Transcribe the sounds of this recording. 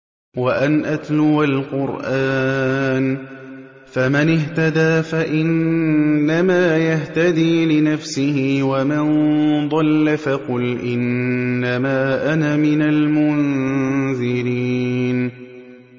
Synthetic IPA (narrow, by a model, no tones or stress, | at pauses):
waʔanʔat̪lʊbalqʊɾʔaːn | famɪnɪɦt̪ad̪aːfaʔɪnː | amaːjaht̪ad̪iːlɪnafsɪhɪwamɪnd̪ˤɑlːafɑqʊlʔɪnːamaːʔanamɪnalmʊnðɪɾiːn